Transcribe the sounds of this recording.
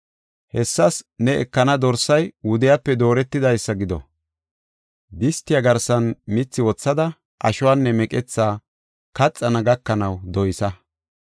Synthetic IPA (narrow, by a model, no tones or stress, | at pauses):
hɛsːɐsnɛɛ̰kːɐnɐd̪ɔɾsɐjwʊd̪ɪjapːɛd̪o̞ːɾɛt̪ːɪd̪ɐjsːɐɡɪd̪ɔ̰ | d̪ɪst̪ːɪjaɡɐɾsɐnmɪt͡sːɪwɔt͡sːɐd̪ɐ | ʔɐ̰ʃʊwanːɛmɛkʼɛt͡sːaː | kɐt͡sʼːɐnɐɡɐkːɐnɐwd̪ɔjɪsɐ